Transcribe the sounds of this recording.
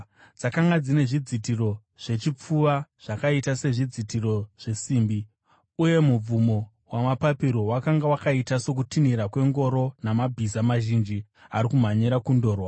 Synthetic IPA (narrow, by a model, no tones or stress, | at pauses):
d͡zakaŋɡad͡zine̞ʐid͡zitiro̞ | ʐ̥e̞t͡ʃip͡fuʋaʐ̥akaitase̞ʐid͡zitiro̞ʐ̥e̞siːmbi | uje̞mub͡vumo̞ | wamapapiɾo̞wakaŋɡawakaitaso̞k̬utiniɾakwe̞ŋɡo̞ɾo̞namabʱizamaʒind͡ʒi | aɾikum̤aɲiɾakundo̞ːrwa